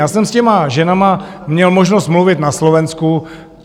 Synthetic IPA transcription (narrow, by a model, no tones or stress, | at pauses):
aːsɛmscɛmaʒɛnamamɲɛlmo̞ʒnost̪mluvɪt̪naslovɛnsku